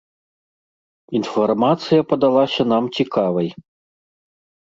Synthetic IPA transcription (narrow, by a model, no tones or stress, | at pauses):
infarmat̪sɨjɐpɐd̪alˠasʲɐnamt͡sʲikavɐj